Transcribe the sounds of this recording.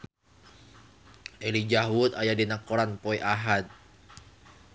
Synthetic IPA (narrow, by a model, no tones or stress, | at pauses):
ʔelid͡ʒaɦwʊt̪ajadinakɔɾanpoiʔaɦat̪̚